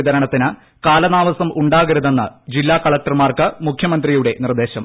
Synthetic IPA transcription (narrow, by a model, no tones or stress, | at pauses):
id̪ɐɾɐɳɐt̪ːinɨ | kaːlɐnaːʋɐsɐmʔuɳɖaːɣɐɾuðenːɐ̰d͡ʑilːaːkɐɭɐk̚ʈɐrmaːrkɨmukʰjɐmɐnd̪rijuɽe̞nird̪e̞ːɕɐm